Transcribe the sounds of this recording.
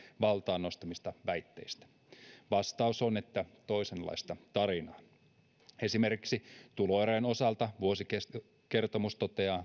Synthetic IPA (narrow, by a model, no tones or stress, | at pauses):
ʋɑlt̪ɑːnːo̞st̪ɑmist̪ɑʋæit̪ːḛist̪æ̥ | ʋɑst̪ɑusonet̪ːæt̪oisenlːɑ̰ist̪ɑt̪ɑɾinɑː | e̞simerki̥ksit̪uloeɾeno̞sɑlt̪ɑʋuosike | ke̞rt̪omust̪ot̪eɑː